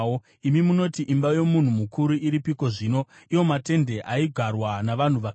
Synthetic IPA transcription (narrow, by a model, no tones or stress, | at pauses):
o | imimuno̞tiʔimbajo̞mun̤umukuɾuiɾipiko̞ʐiːno̞ | iwo̞mate̞nde̞ʔaiɡʱarwanaʋan̤uʋa